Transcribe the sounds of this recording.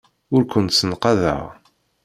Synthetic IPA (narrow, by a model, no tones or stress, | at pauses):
ʊɾkʷənt̪sənqɑðə̰ʁ